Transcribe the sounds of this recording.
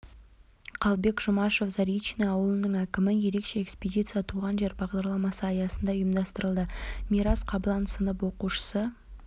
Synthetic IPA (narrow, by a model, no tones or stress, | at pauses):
qʰɑlˠbe̞kʒʊmɑʃo̞fzɑɾijt͡ʃːinɑɑwəlˠənəɴækʲɪmɪje̞ɾe̞kʃe̞ekspʲedʲit̪sijat̪ʰuʁɑnʒe̞ɾbɑʁd̪ɑɾlˠɑmɑsəɑjɑsənd̪ɑəjəmd̪ɑst̪əɾəlˠd̪əmiɾɑsqʰɑblˠɑnsənəpwo̞quʃə̥sə